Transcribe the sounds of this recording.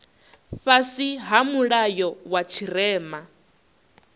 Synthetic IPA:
fasiɦamuɺajɔwat͡ʃʰirɛːma

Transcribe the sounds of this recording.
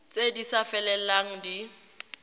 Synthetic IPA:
t͡sʼedisafɛlɛl̩laŋ̩di

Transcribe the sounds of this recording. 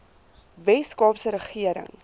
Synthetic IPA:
vɛskɑːpsəɾəχiəɾə̰ŋ

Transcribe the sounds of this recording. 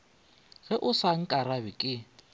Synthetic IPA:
ɣɛʔʊsaŋ̩kʼaɾabɪkʼɪ

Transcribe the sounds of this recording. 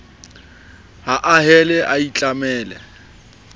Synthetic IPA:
haʔaɦɛlɛʔait͡ɬʼamɛːlɛ̰

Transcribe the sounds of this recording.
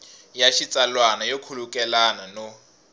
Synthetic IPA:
jaʃit͡sʼalwanajokʰulukʼɛlanano

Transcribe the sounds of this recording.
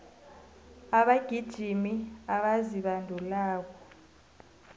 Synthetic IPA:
aɓaɡ̥ʱid̥ʒ̥ʱimiaɓaziɓandʱulaːk̬ɔ

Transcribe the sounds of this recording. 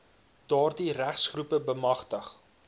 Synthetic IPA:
d̥ɑːrdiɾæχsχrupəbəmɐχtəχ

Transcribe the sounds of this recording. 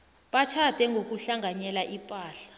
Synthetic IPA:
ɓatʰatɛŋʱok̬uɬaŋʱaɲɛlaʔipʼaːɬḁ

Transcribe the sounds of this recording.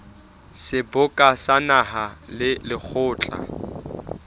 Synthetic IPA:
sɪbʊkʼasanahalɪlɪk͡xʰʊːt͡ɬʼa̰

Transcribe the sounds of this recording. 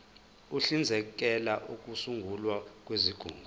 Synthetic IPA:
uɬind͡zʱɛk̬ɛlaʔuk̬ʼusuŋɡʱulwak̬ʼweziɡ̥ʱṵːŋɡʱu

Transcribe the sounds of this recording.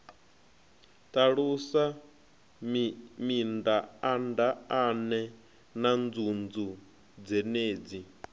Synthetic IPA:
tʼaɺusa | mindaandaanɛ | nand͡zund͡zu | d͡zɛneːd͡zi

